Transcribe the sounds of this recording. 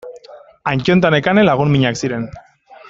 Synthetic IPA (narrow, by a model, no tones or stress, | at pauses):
aɲt͡ʃont̪̬ane̞kanelaɣ̞unmiɲaksiɾe̞n